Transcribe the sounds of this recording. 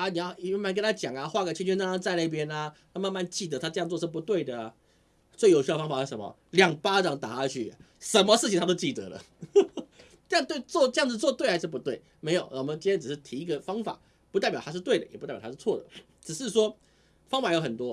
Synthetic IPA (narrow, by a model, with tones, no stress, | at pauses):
a˧˦ni˨˩jɑ˥˧ʊ˧m˥˧nma˧˥nkə˥nt̪ʰa˥t͡ɕjɑ˨˩ŋa˨˧xwa˥˧˩kt͡ɕʰt͡ɕʰy˥na˥˧˩a˥t͡sa˥˧ɪna˥˩pjɛ˦˥na˧t̪ʰa˥ma˥˧nma˥˧nt͡ɕi˥˧˩t̪ə˧˦t̪ʰa˥ʈ͡ʂɤ˥˧jɑ˥˧ŋt͡swɔ˥˧ʂ̩˥˩pu˧t̪we˥˩ɪd̪ə˩a˩ | t͡swe˥˩ɪjo˨ʊɕd̪ə˧fɑ˥ŋfa˨˩ʂɻ̩˥˩ʂə˩˦mɐ̰˨˧ | ljɑ˨˩ŋpa˥ʈ͡ʂɑ˨˩ŋt̪a̰˨˩t̪ʰa˥t͡ɕʰy̰˥˩ | ʂə˧˦nmə˧ʂɻ̩˥˩t͡ɕʰi˨ŋt̪a˥t̪o˥ʊt͡ɕi˥˩t̪ə̰˧˦lə̰˦ | ʈ͡ʂɤ˥˧jɑ˥˧ŋt̪we˥˧ɪt͡swɔ˥˧ʈ͡ʂjɑ˥˨ŋd͡zɹ̩˨˩t͡swɔ˥˧t̪we˥˩xa˧˥ɪʂɻ̩˥˩pu˧t̪we˥˩ɪ | me˧˥ɪjo˨˩ʊʔwɔ˨˩mə˦nt͡ɕi˥nʰjɛ˥ʈ͡ʂɻ̩˨˩ʂɻ̩˥˩t̪ʰi˧i˧˥ɡə˨fɑ˥ŋfa̰˨˩ | pu˧˥a˥˩pj̪ʰʂ̩˥˧t̪we˥˩d̪ə˩jɛ˨˩pu˧˦ta̰˥˩˨a˥ʂ̩˥˧t͡sʰɔ˥˩d̪ə˩ | ʈ͡ʂɻ̩˨˩ʂɻ̩˥˩ʂwɔ˥ | fɑ˥ŋfa˨˩jo˧˥ʊxə˨˩nt̪wɔ˦